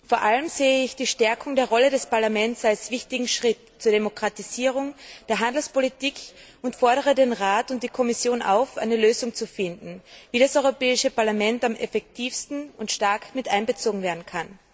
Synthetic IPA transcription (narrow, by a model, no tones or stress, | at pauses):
foːɐʔaləmzeːəɪçd̥iːʃtɛɐkʰʊŋdeːɐʁɔləɾɛspaɐlamɛnt͡salsv̥ɪçtɪɡŋ̩ʃʁ̥ɪt | t͡suːɐɾemokʁ̥atiziːʁ̞ʊŋd̥eːɐɦandl̩spolitʰiːkʰ | ʊntfɔɐɾəʁədenʁaːtʊnt̚d̥iːkʰɔmɪsjoːnʔa̰ʊfʔa̰ɪnəløːzʊŋt͡sufɪndn̩viːɾasʔɔʏʁopɛːɪʃəpaɐlamɛntamʔɛfɛk̚tʰiːfstn̩ʊntʃtaɐkmɪtʔaɪnbət͡soːɡŋ̩veːɐdn̩kʰan